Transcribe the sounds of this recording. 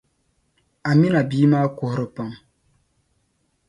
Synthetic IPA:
a˨mi˦na˨biː˦maː˦kʊ˨hʊ˨ɾɨ˨pa˨ŋ

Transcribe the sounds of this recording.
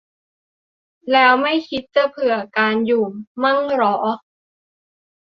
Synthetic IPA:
lɛː˦˥wma˥˩jkʰi˦˥t̪̚t͡ɕɯ˧˩pʰɯ˨˩ɐkaː˧njuː˨˩mːa˥˩ŋɾɔː˦˥ʔ

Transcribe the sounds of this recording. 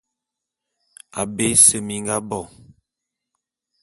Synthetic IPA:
a̰˨be˦sə˨mi˨ŋ˦ɡa˦bɔ˦˨

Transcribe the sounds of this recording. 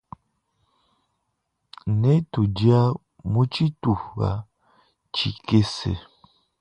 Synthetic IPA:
ne˦tu˨d͡ʒi˦a˦ | mu˦t͡ʃi˦tu˨fa̰˨ | t͡ʃi˨ke˦sḛ˨

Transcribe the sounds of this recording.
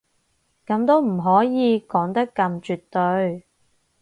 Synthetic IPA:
kɐ˧mt̪o˥wm̩˨˩ɦɔː˨˥jiː˨˧kɔː˨˥ŋt̪ɐ˥kːɐ˧mt͡ʃyː˨t̪ːɵ˧ɥ

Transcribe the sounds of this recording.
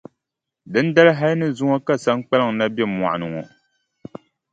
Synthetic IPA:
dɨ˦n̩˦da˦lɨ˦ɦa˦lnɨ˦zʊ˦ŋɔ˦ka˦sa˦ŋ˦k͡pa˦lɨ˦˨ŋ˨na˦bɛ˦˨ma̰˨ʔa˨nɨ˨ŋɔ˨

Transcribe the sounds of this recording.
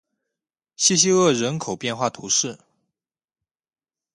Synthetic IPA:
ɕi˥˧ɕ̬i˥ɤ˥˩ɻə˧˥nkʰo˨˩ʊpjɛ˥˧nxwa˥˩t̪ʰu˧˥ʂɻ̩˥˩

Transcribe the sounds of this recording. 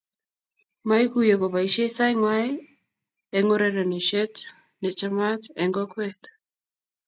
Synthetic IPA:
ma˦i˦kuje˨kɔ˨βa˨iʃe˦sa˦jŋwa˦ | ɛ˨ŋɔɾɛɾɔ˨ni˨ʃɛ˦t | nɛ˨t͡ʃa˦ma˦tɛ˨ŋɡɔ˦kwɛt

